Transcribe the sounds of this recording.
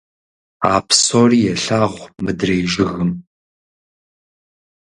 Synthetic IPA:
aːpʰsoːriːjɛɬaːʁʷmɨdrejʒɪɣɨm

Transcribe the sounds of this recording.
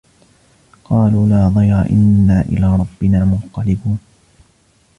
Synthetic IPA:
qɑːluːlaːðˤɑjɾˤɑ̰ʔɪ̰nːaːʔɪ̰laːɾˤɑbːɪnaːmʊnq̪ɑlɪbuːn

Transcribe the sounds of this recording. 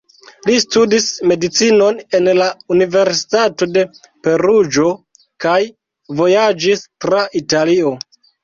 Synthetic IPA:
listudisme̞dit͡sino̞ne̞nlaunive̞ɾsi̥tato̞de̞pe̞ɾud͡ʒo̞ | kaj | vo̞jad͡ʒistɾaʔitalio̞

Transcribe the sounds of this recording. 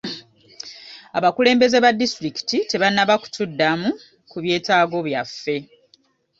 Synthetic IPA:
aβakule̞ːmbe̞ze̞βadːistɾiki̥tite̞βanːaβaku̥tudːamu | kuβje̞ːtaːɡo̞βjafːe̞

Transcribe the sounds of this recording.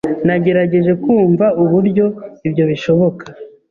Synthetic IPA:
naɟe̞ɾaɟe̞ʒe̞kuːɱvauβuɾɟo̞ibɟo̞βiʃo̞βo̞kḁ

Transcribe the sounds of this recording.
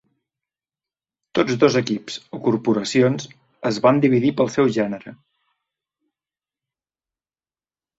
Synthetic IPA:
t̪od͡zðozəkipsokuɾpuɾəsionz | əzβand̪iβiðipəlˠsɛwʒɛnəɾə

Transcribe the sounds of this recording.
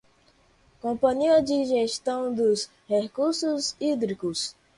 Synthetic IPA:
kõpɐ̃ɲiɐd͡ʒiʒeʃt̪ɐ̃w̃d̪ʊs | hekuɾsʊzid̪ɾikʊs

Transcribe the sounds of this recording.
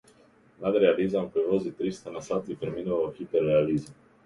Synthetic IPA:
mad̪ɾealizauŋkevoːzit̪ɾist̪anasat̪ipeɾminookit̪ːerealiːza

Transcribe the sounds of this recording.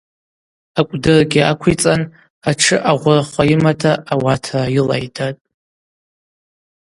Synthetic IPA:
akʷʼdɨrɡʲɪakʷʰit͡sʼan | aʈ͡ʂʰɨʔaʁʷʊraχʷajimatʰaːwatʰaila̰jdʰatʼ

